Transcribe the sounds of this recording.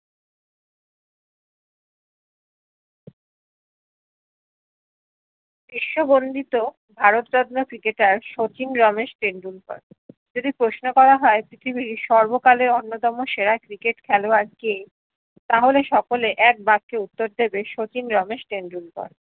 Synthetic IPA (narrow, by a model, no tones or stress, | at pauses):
biʃːobond̪it̪o | bʱaɾot̪ɾɔd̪nokɾikeʈaɾʃot͡ɕinɾɔmeʃʈenɖulpɔ̰ɾ | d͡ʑod̪ipɾosnokɔɾaɦɔepɾit̪ʰibiɾʃɔɾbokaleɾonːot̪ɔmoʃeɾakɾikeʈkʰɛloaɾke | t̪aɦoleʃɔkoleʔɛk̚baɡ̚keut̪ːoɾd̪ebeʃot͡ɕinɾɔmeʃʈenɖulpɔ̰ɾ